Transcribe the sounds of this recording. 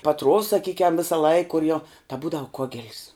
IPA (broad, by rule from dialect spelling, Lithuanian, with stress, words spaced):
pɐˈtruɔws sɐˈkʲiːkʲɛm ʋʲɪsɐˈlˠɐɪk kʊr jɛʊ tɐ ˈbuːdɐʋʊ ˈkoːɡʲɛlʲs